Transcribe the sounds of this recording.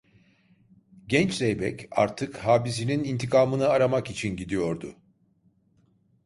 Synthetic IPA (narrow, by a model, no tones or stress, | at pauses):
ɟɛnt͡ʃzejbɛ̰ca̰ɾt̪ʰɯkhaːbis̬ininint̪ʰikʰaːmɯnɯaɾamakit͡ʃʰinɟid̪ijo̞ɾd̪ʊ̰